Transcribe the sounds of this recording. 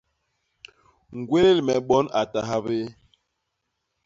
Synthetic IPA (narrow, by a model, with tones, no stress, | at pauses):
ŋ̩˨ɡwe˦le˦˨lmɛ˨ɓɔ˦na˨ta˨ɦa˦be˦